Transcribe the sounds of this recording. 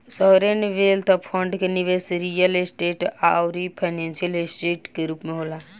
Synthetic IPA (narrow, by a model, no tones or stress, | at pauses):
sɔɾenʋelt̪ʰɔpʰɔ̃ɳɖkeniʋesɾijəlesʈeːʈa̰wɾipʰaɪnẽnsijəlesʈeːʈkeɾuːpmẽɦola